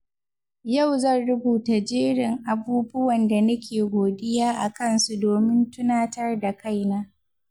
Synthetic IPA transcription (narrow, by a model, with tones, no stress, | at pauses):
ja˦˨wzɐ˦˨nɽʊ˦buː˨ta˨d͡ʒiː˦ɽɪ˨ŋʔa˨buː˦bʊ˦wɐ˨nda˨nɐ˦kʲʰeː˨ɡʷoː˨dɪ˦jaː˦ʔa˨kɐ˦nsu˨doː˨mɪ˦ntʊ˦naː˦tɐ˦rda˨ka˦jnaː˦